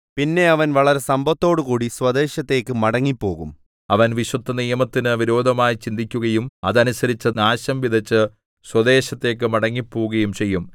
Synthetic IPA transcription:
pinːe̞ɐʋɐnʋɐɭɐɾe̞sɐmbʱɐt̪ːo̞ːɽɨkuːɽiswɐd̪e̞ːɕɐt̪ːe̞ːkːɨmɐɽɐŋːipːo̞̰ːɣum | ɐʋɐnʋiɕwɐd̪ʱːɐnijɐmɐt̪ːinɨʋiɾo̞ːd̪ʱɐmaːjit͡ɕind̪ʱikʲːuɣɐjumɐðɐnusɐɾit͡ɕːɐnaːɕɐmʋid̪ʱɐt͡ɕːɨ | swɐd̪e̞ːɕɐt̪ːe̞ːk̬ːɨmɐɽɐŋːipːoːɣɐjumt͡ɕe̞jːum

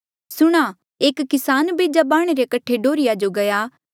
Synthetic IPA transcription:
sʊɽ̃a | eːkːɪsaːnbeːd͡ʒabaːɽ̃eɾekɐʈʰeɖoːɾɪjad͡ʒoɡɐjaː

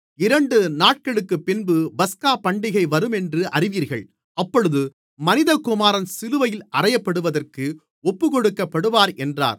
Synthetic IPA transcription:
ɪɾɐɳɖɯnaːʈ̚kɐɭɯkːɯpːɪnbɯbɐskaːpɐɳɖɪɣɐɪʋɐɾɯmɛndrɯʔɐrɪʋiːɾɣɐɭ | ɐpːɔɻɯðɯ | mɐnɪðɐkːʊmaːɾɐnsɪlɯʋɐjɪlɐrɐjɐpːɐɽɯʋɐðɐrkɯ | ɔpːɯkɔɽɯkːɐpːɐɽɯʋaːɾɛndra̰ːɾ

